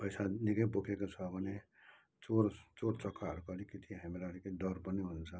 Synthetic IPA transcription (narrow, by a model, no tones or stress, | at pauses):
pʌjsanikʌjpokʰekot͡sʰʌbʱʌne | t͡soɾt͡soɾt͡sʌkʰːaɦɾukʌlikit̪ʰiɦamɾaliked̪ʌɾpʌniɦunt͡sʰʌ